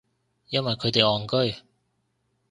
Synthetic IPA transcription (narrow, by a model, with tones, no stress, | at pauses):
jɐ˥nwɐ˨jkʰɵ˨˧ɥt̪e˨jɔː˨˩ŋkɵ˥ɥ